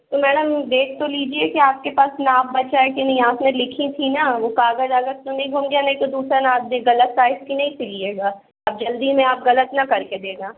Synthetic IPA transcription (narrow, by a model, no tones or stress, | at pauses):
t̪omɛːɽəmɖ̪eːʈ̚t̪oliːd͡ʒiekiaːp̚kepaːsnaːb̚bɐt͡ʃaekenɐɦĩaːpnẽlɪkʰĩt̪ʰinaʋokaːɡəzaːɡəɾt̪onɐ̃ɦĩɡʱũːmɡejanɐɦĩt̪od̪uːsɾanaaːd̪miɣɐlət̪saːɪskinɐɦĩsʰɪlieːɡaː | p̚d͡ʒɐld̪imẽaːp̚ɣɐlət̪nɐkɐɾked̪eːɡaː